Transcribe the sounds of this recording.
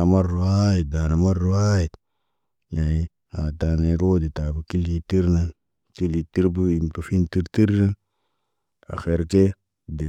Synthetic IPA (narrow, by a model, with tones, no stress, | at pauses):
a˨ma˦ɾːu˨ha˦i˨da˨na˨ma˦ɾːu˦a˦ji˨t | ja˨ni˨˦ | a˨ta˨ne˨ɾo˦di˨ta˨bu˨ki˦li˦ti˦ɾna˦n | ti˦li˨ti˦ɾbu˦i˨m˨tu˨fi˦nti˦ɾti˦ɾːa˦n | a̰˨xe˨ɾke˦ | di˨